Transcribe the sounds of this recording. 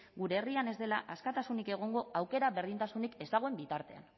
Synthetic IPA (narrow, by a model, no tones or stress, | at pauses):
ɡuɾeːriane̞zd̪e̞laʔaskat̪asunike̞ɣ̞o̞ŋɡo̞awke̞ɾaβe̞ɾðint̪asunike̞zd̪aɣo̞e̞mbit̪aɾt̪e̞a̰n